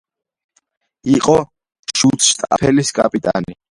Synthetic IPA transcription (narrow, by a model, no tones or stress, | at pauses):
iqʼɔ | ʃut̪sʰʃt̪ʼa̰pʰɛliskʼapʼit̪ʼa̰ni